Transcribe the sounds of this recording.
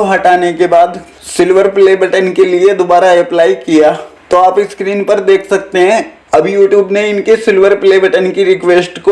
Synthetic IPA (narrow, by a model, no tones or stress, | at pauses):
oɦɐʈaːnekebaːd̪ | sɪlʋəɾpleːbəʈənkelied̪obaːɾaɛplaːikijaːt̪oaːpɪskɾiːnpɐɾd̪eːkʰsɐk̚t̪eɦɛ̃ | ɐbʱjuːʈjuːbneɪnkesɪlʋəɾpleːbəʈənkiɾɪkʋeːsʈko